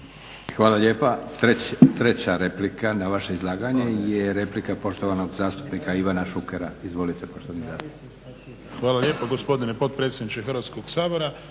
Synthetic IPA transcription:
xʋaːlaʎeːpat̪et̪ɾe̞t͡ɕaɾe̞plikanaʋaʃe̞izlˠaːɡaɲe̞jeɾe̞plikapo̞ʃt̪o̞ʋano̞ɡzaːst̪u̥pnikaiʋanaʃukeɾaizʋo̞lit̪e̞po̞ʃt̪oʋanizaːst̪up̪ink | xʋaːlalʲjeːpoɡospo̞d̪inepo̞t̪̚pɾet̪sed̪nit͡ʃexr̩ʋat̪skoɡsaːboɾa

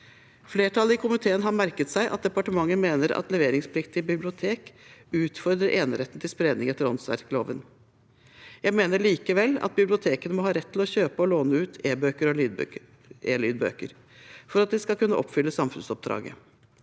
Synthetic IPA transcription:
fleːʈʰɑlːəɪkʰʊmɪt̪ʰeːənɦɑɾmæɾkət̪sæɪʔɑ̰t̪̚d̪ɛpɑʈəmɑŋːənmeːnəɾɑ̰t̪lɛʋeːɾɪŋspʰlɪkt̪ɪbɪblɪʊt̪ʰeːkʉːt̪fɔɾd̪ɾəɾʔeːnəɾɛt̪n̩t̪ʰɪlspɾeːd̪nɪŋɛt̪ːəɾɔnsʋæ̰ɾklo̰ːʋən | jæɪmeːnəɭiːkəʋɛlːɑ̰t̪̚bɪblɪʊt̪ʰeːkənəmɔhɑːɾɛt̪ʰːɪlɔçøːpəɔloːnəʉːt̪ʰeːbøːkəɾɔ | eːlyːd̪̚bø̰ːkəɾ | fɔɾɑt̪̚d̪ɪskɑlkʉnːəʔɔpːfʏlːəsɑmfʉnsɔp̚d̪ɾɑ̰ːɡə̰

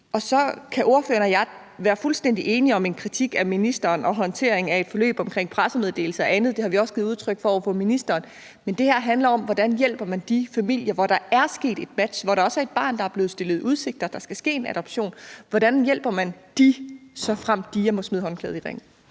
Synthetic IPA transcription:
ɒ̽sɒ̽kʰæʔo̝ɐfø̰ːɐnɒjɑ̈ | ʋæːɐfulsd̥en̰d̥iʔe̝ːniɒ̽me̝nkʰʁit͡sʰiɡ̥æminisd̥ɐːnɒ̽ɦɒ̽nt͡sʰe̝ɐ̰e̝ŋæe̝d̥fɒ̽lø̰ːb̥ɒ̽mkʰʁeŋ̰pʰʁasəme̝ðˠd̥e̝̰ːl̩səɒ̽ænð̞̩ˠd̥e̝hɑ̈ʋiɒ̽sɡ̥ið̩ˠuð̞ˠt͡sʰʁœɡ̥fɒfɔ̰̽ːminisd̥ɐːn | mend̥e̝hæɐ̰ɦænlɐɒ̽mʋɒd̥ænjel̰b̥ɐmænd̥ifæmil̰jɐʋɒɾ̥ɑ̈æɐsɡ̥e̝̰ːd̥e̝d̥̚mæd̥ɕʋɒɾɑ̈ɒ̽səæɐe̝d̥̚b̥ɑ̰̈ːnd̥ɑ̈æɐb̥le̝ːð̩ˠsd̥e̝lð̞̩ˠuð̞ˠse̝ɡ̥̚d̥ɐd̥ɑ̈sɡ̥æsɡ̥e̝̰ːe̝næɾ̥ɒ̽b̥ɕo̝̰ːnʋɒɾ̥ænjel̰b̥ɐmænd̥isɒ̽fʁam̰d̥ijæmɒ̽smiðˠhɦɒ̽nkʰɛð̩ˠiʁḛŋ̰l̩

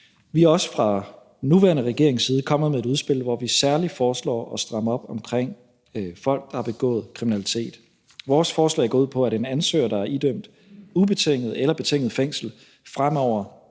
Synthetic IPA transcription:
ʋiɑ̈ɒ̽sə̥fʁɑ̈ | nuʋæːɐnəʁɛɡ̥e̝ɐe̝ŋsiːð̞ˠəkʰɒ̽m̰ð̩ˠmee̝ɾuðˠsb̥e̝l̰ʋɒʋisæɐlifɒːslɒ̰ːɒ̽sd̥ʁɑ̈məɒ̽b̥ɒ̽mkʰʁeŋ̰ | fɒ̽l̰ɡ̥̚d̥ɑ̈hɑ̈b̥e̝ɡ̥ɔ̰̽ːð̩ˠkʰʁiminælit͡sʰe̝̰ːd̥ | ʋɒːsfɒːslɛ̰ːæɐɡɔ̽ːuð̩̰ˠpʰɒ̽æɾenænsø̰ːɐd̥ɑ̈æɐʔid̥øm̰d̥ | ub̥e̝t͡sʰeŋ̰ð̞̩ˠelɐb̥e̝t͡sʰeŋ̰ð̞̩ˠfeŋ̰sl̩ | fʁam̰ɒʊ̰ɐ

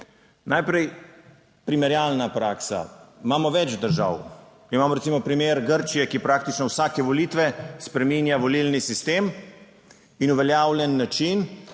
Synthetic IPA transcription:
najpɾɛj | pɾimɛɾjaːlnapɾaːksa̰maːmɔʋɛd͡ʒd̪əɾʒa̰w | imaːmɔɾɛt̪simɔpɾimeɾɡəɾt͡ʃijɛkipɾaːkt̪it͡ʃnɔwsaːkɛʋɔliːt̪ʋɛspɾɛmiːnjaʋɔlilnisist̪eːm | inuʋɛljaːwlʲjɛnːat͡ʃin

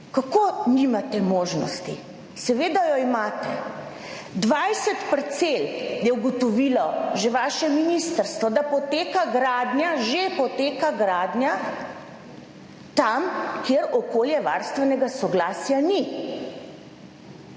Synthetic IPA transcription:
kakonimat̪ɛmoːʒnɔ̰st̪i | sɛʋeːd̪ajɔimaːt̪ɛ | d̪ʋajsɛt̪pəɾt̪seljɛuɡɔt̪ɔʋilɔʒeʋaːʃɛminist̪əɾst̪ʋɔd̪apɔt̪eːkaɡɾaːd̪njaʒepɔt̪eːkaɡɾaːd̪nja | t̪amkjeɾɔkoːljɛʋa̰ɾst̪ʋɛnɛɡasɔɡlaːsjani

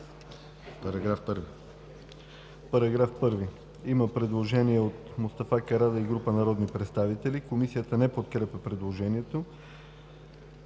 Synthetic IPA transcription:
pɐɾɐɡɾafpɤɾvi | pɐɾɐɡɾafpɤɾvi | iməpɾɛd̪lˠoʒɛniɛot̪mʊst̪ɐfakɐɾad̪ɐiɡɾupənɐɾɔd̪nipɾɛt̪st̪avit̪ɛlikomisijət̪ənɛpot̪̚kɾɛpɛpɾɛd̪lˠoʒɛniɛt̪o

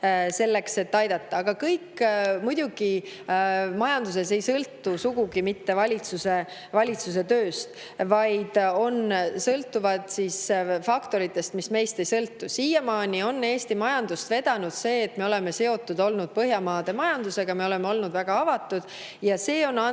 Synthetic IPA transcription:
se̞lːe̞kse̞t̪ːɑjd̪ɑt̪ːˑɑːɡ̥ɑkɤjkmujd̪̥ʲuɡ̥i | mɑjɑnd̪us̬e̞se̞jsɤlt̪ːusuɡ̥uɡimit̪ːe̞vɑlʲit̪suse̞ | vɑlʲit̪sus̬e̞t̪øːst̪ | vɑjd̪̥o̞nsɤlt̪ːˑuvɑd̪̥sisfɑkt̪o̞ɾit̪ˑːe̞st̪misme̞jst̪e̞jsɤlt̪ːusiːjemɑːnʲio̞nːe̞ːst̪imɑjɑnd̪̥ust̪ve̞d̪̥ɑnud̪̥se̞ːt̪me̞o̞le̞me̞se̞o̞t̪ːˑud̪o̞lnud̪̥̚pɤɦjɑmɑːd̪̥e̞mɑjɑnd̪use̞ɡ̥ɑme̞o̞le̞meo̞lnud̪væɡ̥ɑɑvɑt̪ːˑud̪̥ | jɑse̞ːo̞nːɑ

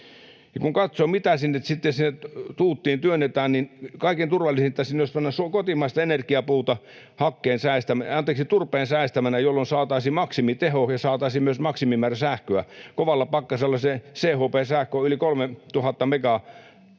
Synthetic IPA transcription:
jɑkuŋkɑt̪somit̪æsinːet̪sit̪ːesinːet̪t̪uːt̪ːiːnt̪yønːet̪æːnninkɑˑikent̪urʋɑlːˑisinet̪ːæsinːoˑismenːæsuokot̪imɑˑist̪ɑenerkiɑpuːt̪ɑ | hɑkːeːnsæˑist̪æmɑnt̪eːksit̪urpˑeːnsæˑist̪æmænæjolːonsɑːt̪ɑisimɑksimit̪ehohjɑsɑːt̪ɑisiːmmyøsmɑksimimæːræsæhkøækoʋɑlːɑpɑkːɑselːɑseseːhoːpeːsæhkøːylikolmet̪uhɑt̪ːɑmekɑ

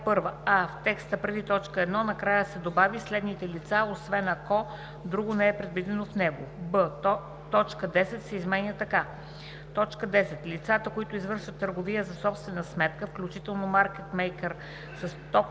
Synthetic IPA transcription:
pɤɾvəaft̪ɛkst̪əpɾɛd̪it̪ɔt͡ʃkəɛd̪nɔnɐkɾajəsɛd̪obavislɛd̪nit̪ɛlit̪saosvɛnɐkɔ | d̪ɾuɡonɛɛpɾɛd̪vid̪ɛnofnɛɡobə | t̪ɔt͡ʃkəd̪ɛsɛt̪sɛizmɛnʲət̪ɐka | t̪ɔt͡ʃkəd̪ɛsɛt̪lit̪sat̪əkoit̪ʊizvɤɾʃvət̪ːəɾɡovijəzɐsɔpst̪vɛnəsmɛt̪kəfklʲut͡ʃit̪ɛlˠnomaɾkɛt̪mɛjkɛɾ | sɐst̪ɔp

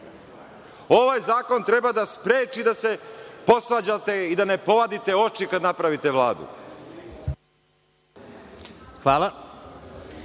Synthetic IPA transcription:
o̞ʋajzaːko̞nt̪ɾebad̪aspɾeːt͡ʃid̪ase̞po̞sʋad͡ʑat̪e̞id̪ane̞po̞ʋad̪it̪e̞o̞t͡ʃikad̪napɾaʋit̪e̞ʋlˠa̰ːd̪ṵ | xʋaːlˠa

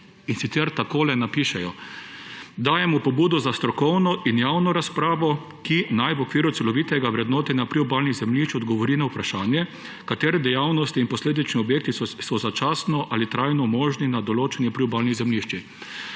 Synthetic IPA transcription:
insit̪sɛɾt̪akoːlɛnapiːʃɛjɔ | d̪aːjɛmɔpɔbuːd̪ɔzast̪ɾɔkɔwnɔʔinjaːwnɔɾaspɾaːʋɔ | kinajʋɔkʋiːɾʊt̪sɛlɔʋit̪ɛɡaʋɾɛd̪nɔːt̪ɛnapɾiubaːlnizɛmliʃt͡ʃɔd̪ɡɔʋɔɾinawpɾaʃaːnjɛ | kat̪eːɾɛd̪ɛjawnɔst̪iːnpɔsleːd̪it͡ʃniɔbjeːk̚t̪isɔzat͡ʃaːsnɔʔalit̪ɾajnɔmɔːʒninad̪ɔloːt͡ʃɛnjɛpɾiubalnizɛmliʃt͡ʃi

